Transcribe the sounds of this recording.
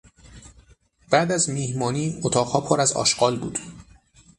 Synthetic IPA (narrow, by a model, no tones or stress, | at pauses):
b̥æd̪æzmiːhmɒːniːot̪ʰɒːʁhɒːpʰoɾæzɒ̰ːʃɢ̥ɒːlbuːd̪̥